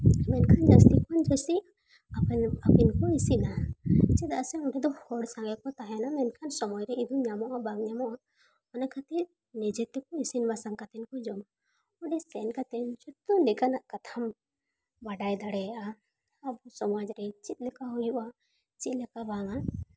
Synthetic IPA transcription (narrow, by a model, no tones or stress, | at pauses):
mɛnkʰand͡ʒast̪ikand͡ʒɔsi | aapɛnkɔisinat͡ʃɛd̪aʔsɛɔnʈɛd̪ɔhɔɽsãŋɡɛkɔt̪aɦɛnamɛnkʰansɔmɔjɾɛid̪ɔɲamɔʔabaɡɲamɔʔa | ɔnakat̪ɛ | nɛd͡ʒɛt̪ːɛkɔisinbasaŋkat̪ɛnkɔd͡ʒɔma | ɔɖɛsɛnkat̪ɛnd͡ʒɔt̪ɔnɛkanaʔkat̪ʰam | baɖajd̪aɽɛʔaː | bɔsɔmad͡ʒɾɛt͡ʃit̪̚ˀlɛkaɦɔjuʔa | t͡ʃit̪̚lɛkabaŋa